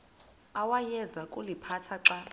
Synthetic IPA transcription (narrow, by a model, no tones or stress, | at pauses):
awajɛzakʼulipʰatʰaǁa